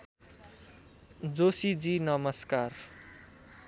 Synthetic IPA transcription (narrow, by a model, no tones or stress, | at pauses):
d͡zosid͡zinʌmʌskar